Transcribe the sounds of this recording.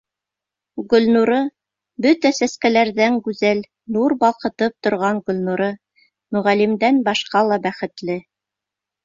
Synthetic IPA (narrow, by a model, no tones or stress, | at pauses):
ɡɵ̆lnuɾɤ | bɵt̪æsæskælæɾðæŋɡʉzæl | nuɾbɑlˠqɤ̆t̪ɤp̚t̪ŏɾʁɑŋɡɵ̆lʲnuɾɤ | mɵ̆ʁælimd̪ænbɑʃqɑlˠɑbæχɘ̆t̪lɘ